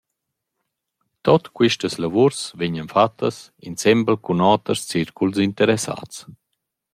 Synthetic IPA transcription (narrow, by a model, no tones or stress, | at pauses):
t̪ɔt̪kwiʃtəslavuɾsveɲənfat̪ʰːəs | insɛmbəlkunɔːt̪əɾst͡siɾkulsint̪əɾɛsa̰t͡s